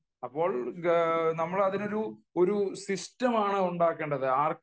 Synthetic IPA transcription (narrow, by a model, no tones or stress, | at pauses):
ɐpːo̞ːɭ | nɐmːɐɭɐðino̞ɾuo̞ɾusistɐmaːɳɨuɳɖaːkːeːɳɖɐðɨaːr